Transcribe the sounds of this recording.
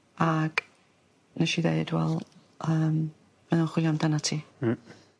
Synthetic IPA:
aɡ̥ | nəʃiðḛɨdwɛ̰lˠ | əːm | mənunχwɪɔmdanatʰiː

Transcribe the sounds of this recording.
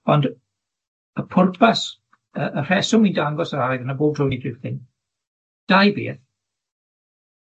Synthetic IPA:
ɔnd | əpʰʊrpʰas | əər̥ɛsʊmindaŋɡɔsaɾaɾɛɡənaboːb̚tʰrɔwnidrɪwθɪn | d̥ajbḛːθ

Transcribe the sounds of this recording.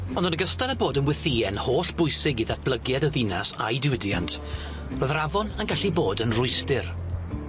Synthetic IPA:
ɔndɔnəɡəstaləboːdənwɪθiːɛnhoːɬb̥ʊɨsɪɡiðat̚b̥lˠəɡjɛdəðinasa̰jdɪwɪdja̰ntʰ | roːðravɔnənɡaɬiboːdənrʊɨstɪr

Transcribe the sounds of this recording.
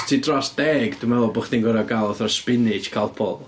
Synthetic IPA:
tʰidrɔsd̥ɛːɡd̥umɛlˠɔbʊχðinɡwɛɾaɡalˠɔθɔspɪnɪt͡ʃkʰalˠpʰɔ̰lˠ

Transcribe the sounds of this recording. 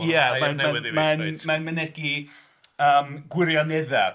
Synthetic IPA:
jɛmanamanmanmənɛɡi | əːmɡwɪɾjɔnɛðɛ

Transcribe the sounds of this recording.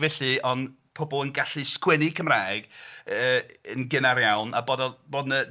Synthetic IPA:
vɛɬɨɔn | pʰɔbɔlˠənɡaɬɨskwɛnikʰəmraːjɡəənɡɪnaɾjawna̰boːdɔboːdnə

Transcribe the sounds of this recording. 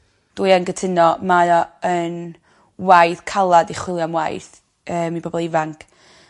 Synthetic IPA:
d̥uɨjanɡətʰɪnɔmajɔən | wajθkʰalˠadiχwɪlˠjamwa̰jθ | əːmib̥ɔbɔlˠivaŋkʰ

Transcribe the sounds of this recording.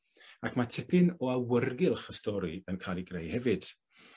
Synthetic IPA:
akʰmatʰɪbɪnɔawərɡɪlˠχəstɔɾiənkʰajlˠiɡrejhɛvɨd̥

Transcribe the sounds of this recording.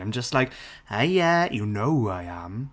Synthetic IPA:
ãɪ̃md͡ʒʌstˡlaɪk | ajæjənoʊaɪə̃m

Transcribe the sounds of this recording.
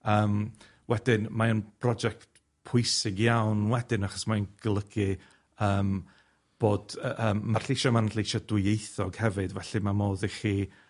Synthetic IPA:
əːm | wɛdɪnmaənpʰrɔd͡ʒɛkt | pʰʊɨsɨɡjawnwɛdɪnaχɔ̥smaənɡ̥lˠəɡ̥ɨ | əːm | b̥oːd̥ʔəːmːarɬiʃɔmanɬiʃɔdwɪejθɔɡ̥hɛvɨdvɛɬimamoːðiχiː

